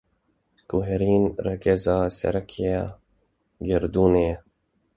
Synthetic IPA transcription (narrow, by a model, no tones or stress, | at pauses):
kuɦeɾiːnɾɐkezaːsḛɾɐkʰia | ɡeɾd̪uːneː